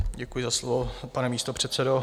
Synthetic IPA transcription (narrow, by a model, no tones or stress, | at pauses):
ɟɛkujɪzaslovopanɛmiːst̪opr̝̥ɛt̪sɛdo